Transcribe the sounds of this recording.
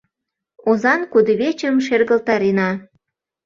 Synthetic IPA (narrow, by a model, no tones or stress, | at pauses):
ozɑnkud̪əβet͡ɕəmʃerɣəlt̪ɑɾenɑ